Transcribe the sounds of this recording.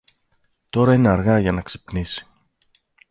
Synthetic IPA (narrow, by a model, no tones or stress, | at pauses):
t̪o̞ɾɐineɐɾɣɐʝɐnɐksi̥pnisi̥